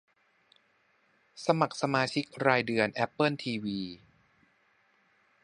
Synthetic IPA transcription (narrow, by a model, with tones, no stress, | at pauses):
sa˧ma˨˩k̚sa˧maː˧t͡ɕʰi˦˥k̚ɾaː˧jdɯ˧ənʔɛ˦˥pːɤ˥˩nt̪ʰiː˧wiː˧